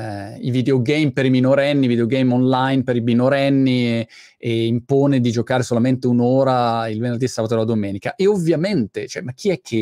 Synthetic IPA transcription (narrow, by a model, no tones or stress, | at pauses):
ḭvid̪eoɡɛjmpeɾiminoɾɛnːivid̪eoɡejmɔnlajnpeɾiminoɾɛnːi | eimpoːned̪id͡ʒokaːɾesolament̪eunoːɾailvenerd̪iesːaːbat̪odlad̪omɛːnikaʔeovːjament̪et͡ʃoɛmak̟ʰːiɛkʰːe